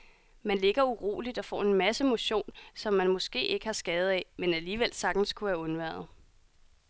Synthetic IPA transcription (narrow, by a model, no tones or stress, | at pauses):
mænle̝ɡ̥ɐuʁo̝̰ːlid̥ɒ̽fɒ̰ːe̝nmæsəmo̝ɕo̝̰ːnsɒ̽mːænmɔ̽sɡ̥e̝̰ːe̝ɡ̥əhɑ̈sɡ̥ɛːð̞̩ˠɛmenæliːʋel̰sɑ̈ɡ̥d̥n̩skʰuʋæɐɔ̽nʋæɐ̰ð̞̩ˠ